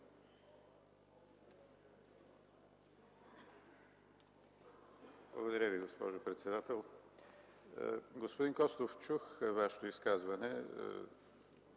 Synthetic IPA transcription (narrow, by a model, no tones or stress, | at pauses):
blˠə̰ɡod̪ɐɾʲəviɡospɔ̰ʒopɾɛt̪sɛd̪at̪ɛlˠ | ɡospod̪inkɔst̪oft͡ʃuxvaʃɛ̥t̪oiskazvɐnɛ̰